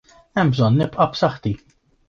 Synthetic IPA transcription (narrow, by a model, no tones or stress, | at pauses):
ɛmːbzɔnːɪpʼʔɐpsɐħt̪i